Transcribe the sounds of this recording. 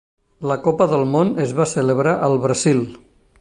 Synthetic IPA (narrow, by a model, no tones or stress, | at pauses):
ləkɔpəðəlˠmonəzβasələβ̞ɾaʔəlˠβɾəzilˠ